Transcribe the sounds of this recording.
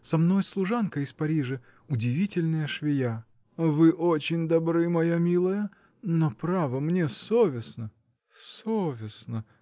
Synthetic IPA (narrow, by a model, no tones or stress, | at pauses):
sɐmno̞jslˠʊʐankəɪspɐɾʲiʐə | ʊdʲɪvʲitʲɪlʲnəjəʂvʲɪja | vɨʔot͡ɕɪnʲd̪ɐbɾɨmɐjamʲilˠəjə | nopɾavəmnʲesovʲɪsnə | sovʲɪsnə